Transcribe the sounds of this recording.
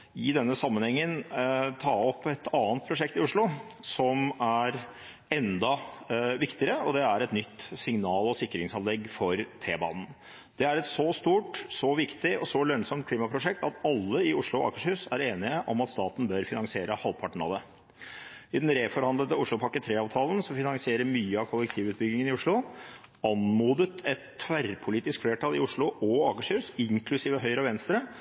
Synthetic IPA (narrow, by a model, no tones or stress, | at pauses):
ɪd̪ɛnːəsɑmːənhɛŋːənt̪ʰɑːɔpːɛt̪ɑːənt̪̚pʰɾʊʂɛkt̪ɪʊʂɭʊ | sɔmæɾ | ɛnd̪ɑʋɪkt̪ɪəɾəɔd̪ɛæɾɛt̪nʏt̪ːsɪŋnɑːlɔsɪkːɾɪŋsɑnlɛɡːfɔɾt̪ʰeːbɑ̰ːnn̩ | d̪̥ɛæɾɛt̪sɔst̪uːʈsɔʋɪkt̪ɪɔsɔlœnsɔmt̪̚kʰliːmɑpʰɾʊʂɛkt̪ɑt̪ɑlːəɪʊʂlʊɔɑ̰kəʂhʉsæɾeːnɪəʔɔmɑt̪st̪ɑːt̪n̩bœɾfɪnɑŋsɪeːɾəhɑlpʰɑʈɳ̩ɑ̰d̪ɛ | ɪd̪ɛnɾeːfɔɾhɑnd̪lət̪əʊʂɭʊpʰɑkət̪ʰɾeːɑːʋt̪ʰɑːlən̩sɔfɪnɑŋsɪeːɾəɾmyːəɑʋkʰɔlːɛkt̪ʰiːʋʉːt̪̚bʏɡ̪ɪŋənɪʊʂɭʊ | ɑnmuːd̪ət̪ɛt̪ʰːʋæɾpʰʊliːt̪ɪskfleːʈʰɑlɪʊʂɭʊʔɔɑːkəʂhʉːsɪŋkʰlʉsiːʋəɦœʏɾəɔʋɛnst̪ɾə